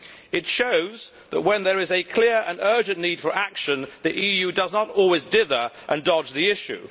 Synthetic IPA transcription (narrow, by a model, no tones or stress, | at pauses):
ɨtʃoʊz | ðəʔ̚wə̃nðə˞ɪzɨkʰl̥ɪɹə̰̃nɜ˞d͡ʒɨ̃nːiːd̥fə˞ʔækʃə̃nðiʔijʉdʌznəɾɔlˠwɪzdɪðə˞ʔə̃ndɒd͡ʒðiɪʃʉ̰